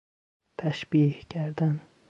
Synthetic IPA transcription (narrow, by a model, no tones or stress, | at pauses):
t̪ʰæʃbihɟæɾd̪æn